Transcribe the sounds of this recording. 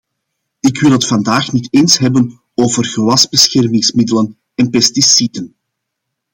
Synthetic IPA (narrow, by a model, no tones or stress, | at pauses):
ɪkwɪlˠɦətfɑndaːxniteːnsɦɛbən | oːvərɣəwɑzbəsxɛrmɪŋsmɪdələn | ɛnpɛstisidən